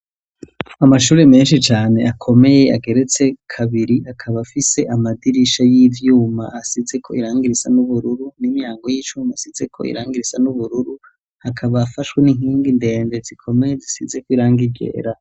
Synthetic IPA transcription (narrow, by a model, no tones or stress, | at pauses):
amaʃuːɾeme̞ːnʃit͡ʃaːne̞akʰo̞me̞je̞aɡe̞ɾe̞t͡se̞kʰaβiɾiakʰaβafise̞ʔamadiɾiʃajiːvjuːma̰ʔasize̞kʰo̞̰iɾaːŋɡiɾisanuβuɾuɾunimijaːŋɡo̞jiːt͡ʃuːmasize̞kʰo̞̰ḭɾaːŋɡiɾisanuβuɾuɾu | hakʰaβaːfaʃweniŋ̥iːŋɡinde̞ːnde̞zikʰo̞me̞jezisize̞kwiɾaːŋɡiɡḛːɾa